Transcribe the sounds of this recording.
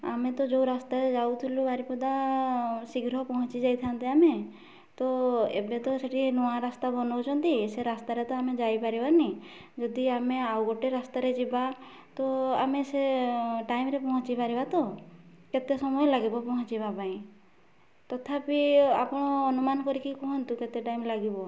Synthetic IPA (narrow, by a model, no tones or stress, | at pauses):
amet̪ɔd͡ʒowɾast̪aɾed͡ʒawt̪ʰilubaɾipɔd̪a | siɡɾɔɦpɔɦɔ̃t͡ʃid͡ʒajt̪ʰant̪eame | t̪ɔḛbet̪ɔseʈinuãɾast̪abɔnɔwt͡ʃʰɔnt̪iseɾast̪aɾet̪ɔamed͡ʒajpaɾibani | d͡ʒɔd̪iameawɡɔʈeɾast̪aɾed͡ʒiba | t̪ɔameseʈajmɾepɔɦɔ̃t͡ʃibaɾibat̪ɔ | ket̪esɔmɔjɔlaɡibɔpɔɦɔ̃t͡ʃibapaĩ | t̪ɔt̪ʰapiapɔɽ̃ɔːnumanɔkɔɾikikɔɦɔnt̪uket̪eʈajmlaɡibɔ